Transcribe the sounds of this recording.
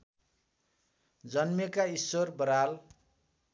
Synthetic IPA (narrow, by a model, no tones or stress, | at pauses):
d͡zʌnmekaisworbʌɾal